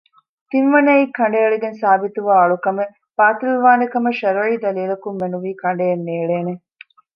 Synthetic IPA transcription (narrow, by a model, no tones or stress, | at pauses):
t̪inʋɐnɐiːkʰːɐɳ̆ɖeːɐɭeɡensaːbit̪uʋaːɐɭukɐme | paːt̪ɾʋiʋaːnɐkɐmɐʃɐɾɐiːd̪ɐliːlɐkumːenuʋiːkɐɳɖeːnːeːɭeːne